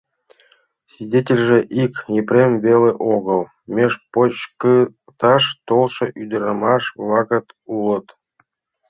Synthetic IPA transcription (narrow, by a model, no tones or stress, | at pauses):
svʲidʲetʲelʲʐĕʔikjeprʲemʲvʲelʲeʔoɣəlˠ | mʲeʃpot͡ɕk | t̪ɑʃt̪olˠʃɤ̆ʔyd̪əɾɑmɑʃvlˠɑɣət̪ulˠə̆t̪